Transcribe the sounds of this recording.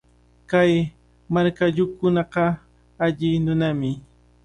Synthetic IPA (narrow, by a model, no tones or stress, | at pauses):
kaj | maɾkaʎʊkʊnɑqɑ | aʎɪnʊnamɪ